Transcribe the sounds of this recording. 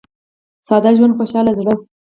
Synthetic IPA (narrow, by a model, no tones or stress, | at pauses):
sɑd̪aʒwand̪̚xoʃɑlazɽə